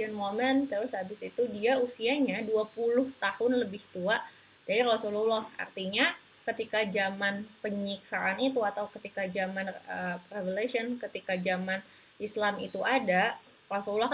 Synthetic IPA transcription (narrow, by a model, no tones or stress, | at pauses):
ənmoməntəɾʊsabɪsit̪udiausiaɲaduapulʊht̪ahʊnləbɪht̪uaʔ | d͡ʒadiɾasululaha̰rt̪iɲa | kət̪ikad͡ʒamanpəɲiksaʔanit̪uat̪awkət̪ikad͡ʒamanəprevelesiɔnkət̪ikad͡ʒaman | islamit̪uʔada | rasululɔh